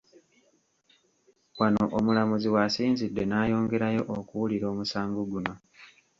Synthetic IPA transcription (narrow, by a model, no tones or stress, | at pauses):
wano̞ʔomulamuziwasiːnzidːe̞naːjo̞ːŋɡe̞ɾajo̞ʔokuwuliɾo̞ːmusaːŋɡoɡuno̞